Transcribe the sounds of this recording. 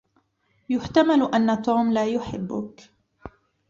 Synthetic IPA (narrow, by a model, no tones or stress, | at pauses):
jʊħt̪amalʔanːat̪uːmlaːjʊħɪbːʊ̰k